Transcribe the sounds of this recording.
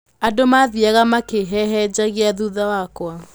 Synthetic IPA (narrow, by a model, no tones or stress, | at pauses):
adomaðiaɣamakeɦɛɦɛd͡ʑaɣeaðuðawakwa